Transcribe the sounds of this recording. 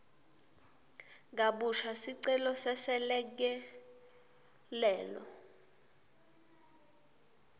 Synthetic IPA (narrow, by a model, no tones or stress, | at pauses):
ŋaɓuʃʰasiǀɛlɔsɛsɛlɛk̬ɛ | lɛːlɔ̰